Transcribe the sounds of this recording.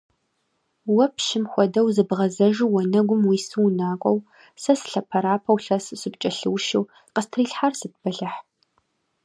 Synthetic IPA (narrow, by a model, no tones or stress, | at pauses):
wɐpʰʃɪmxʷɔdɐwzɨbʁɐzɐʒuwɔnɐɡʷʊmwiːsɨwnaːkʷʼɔw | sɐsɬɐpʰɐɾaːpʰɐwɬɐssɨp̚t͡ʃʼɐɬɨwʃɪw | qəstʰriːɬħarsɨt̚bɐɬɐħ